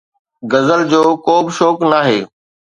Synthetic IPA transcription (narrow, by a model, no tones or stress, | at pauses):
ɡɐzəld͡ʑoːkoːbʃoːknaːɦeː